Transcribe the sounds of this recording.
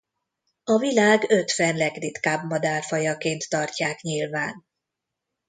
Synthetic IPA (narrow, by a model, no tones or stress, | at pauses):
ɒvilaːɡø̞t̪fɛnlɛɡrit̪kaːbmɒd̪aːrfɒjɒkeːnt̪ːɒrcaːkɲilvaːn